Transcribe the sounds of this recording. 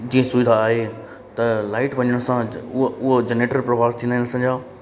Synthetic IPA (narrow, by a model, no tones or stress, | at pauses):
d͡ʑĩːə̃sʊʋɪd̪ʱaːɦe | t̪ɐlaːɪʈʋɐ̃ɲəɽ̃ʊ̃sãʊɦod͡ʑeneːʈəɾpɾɐbʱaːɾt̪ʰĩːnd̪aɦɪnsɐ̃d͡ʑaː